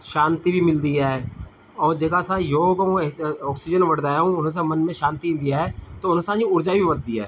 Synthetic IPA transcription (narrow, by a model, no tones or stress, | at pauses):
ʃãːnt̪iːbʱimɪld̪iːɛː | ɔːɾd͡ʒəɡasãːjoːɡõɔːksid͡ʒənʋəɽd̪aːjɦũːʊñːs̬ãːmənmẽʃãːnt̪iɪ̃nd̪ijaɦɛːt̪oʊnsãːd͡ʒĩːʊɾd͡ʒaːibʱiʋəd̪̚d̪iːɦɛ̰ː